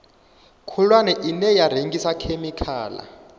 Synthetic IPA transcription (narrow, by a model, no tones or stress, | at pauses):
kʰɔlwanɛʔinɛjaɾ̤eŋɡisakʰemikʰa̰ːla̰